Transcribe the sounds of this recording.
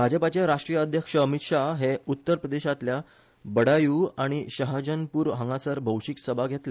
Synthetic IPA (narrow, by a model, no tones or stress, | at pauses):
bʱad͡ʑəpat͡ɕjaɾaʂʈɾijəəd̪ʱjəkʂəəmit̪ʂaɦeut̪ːəɾpɾəd̪eɕat̪lja | bəɽajuːaɽ̃iɕəɦad͡ʑənpuːɾɦãŋɡasəɾbʱəwɕiksəbʱaɡʱet̪le